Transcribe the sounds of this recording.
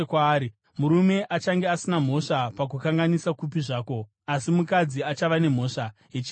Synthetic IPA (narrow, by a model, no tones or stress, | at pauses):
kwaːɾi | muɾume̞ʔat͡ʃaŋɡeasinam̤o̞ʂapak̬ukaŋɡanisakup̬iʐaːko̞ | asimukad͡ziat͡ʃaʋane̞m̤o̞ːʂa | it͡ʃi